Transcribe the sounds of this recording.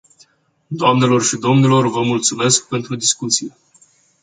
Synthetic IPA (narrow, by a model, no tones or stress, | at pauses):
d̪oamne̞lo̞rʃid̪o̞mnilo̞rvəmult̪sume̞sk̚pe̞nt̪ɾud̪iskut̪sije